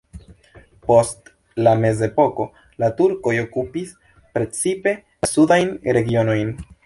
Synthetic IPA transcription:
po̞st | lame̞ze̞po̞ko̞ | latuɾko̞jo̞kupis | pɾe̞t͡sipe̞ | sudajnɾe̞ɡio̞no̞jn

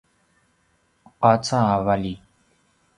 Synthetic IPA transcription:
qat͡saavali

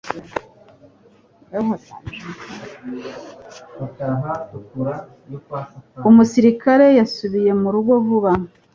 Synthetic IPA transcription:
ɦata | utaɦatukuɾa | jokwasukaumusiɾikaɾe̞jasuβije̞muɾuɡo̞vuβa

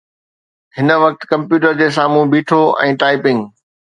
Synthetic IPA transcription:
ɦɪnə̆ʋɐk̚t̪kɐ̃mpjuːʈəɾd͡ʑeːs̬aːmũbiːʈʰoʔɛ̰̃ːʈaːɪpɪ̃ŋɡ

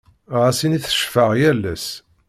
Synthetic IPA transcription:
ʁæsiniθə̥ʃfəʁjælːæs

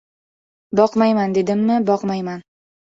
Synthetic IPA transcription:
bɒqmajmand̪e̞d̪ɪmnɪbɒqmajman

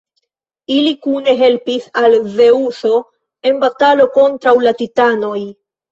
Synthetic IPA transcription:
ilikune̞ɦe̞lpisalve̞uso̞ | e̞nbatalo̞ko̞ntɾawlatitano̞j

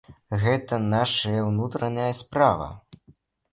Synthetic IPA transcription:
ɣɛt̪ɐnaʂɐjɐwnut̪ɾɐnʲɐjɐspɾavɐ̰

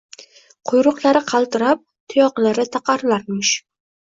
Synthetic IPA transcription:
qʰʊjɾʊqlˠaɾɪqʰɑlˠt̪ɪɾap̚t̪ʰʊjɒqlaɾɪt̪ʰɑqʰɑɾlaɾmɪʃ

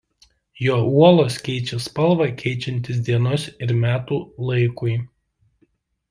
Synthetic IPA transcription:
joːuɔlˠoːskʲɛɪt͡ʃʲɛspɐlˠʋɑkʲʰɛɪt͡ʃʲɛnʲt̪ʲɪs̬d̪ʲiɛnoːsɪɾmʲæːt̪uːlˠɐɪkʊɪ

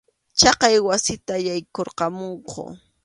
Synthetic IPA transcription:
t͡ʃɑqɑjwasɪt̪ajajkoɾqɑmoɴqʰo̰

